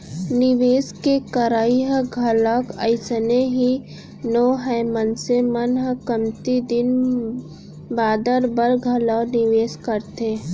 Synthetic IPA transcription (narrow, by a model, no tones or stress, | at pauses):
nɪʋeːskekəɾaːiɦəɡʱəlakəɪsəneɦi | noːɦɛmənsemənɦəkəmt̪id̪ɪn | baːd̪əɾbəɾɡʱəlanɪʋeːskəɾt̪eː